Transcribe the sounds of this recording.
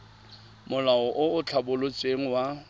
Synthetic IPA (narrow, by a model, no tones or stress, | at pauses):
mʊlaɔʔʊʊt͡ɬʰabʊlʊt͡sʼeŋ̩wa